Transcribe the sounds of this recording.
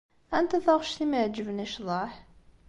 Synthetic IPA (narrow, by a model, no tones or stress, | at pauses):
ʔænt̪æθɑʁʃθiməʕd͡ʒəvnæʃðˤɑħ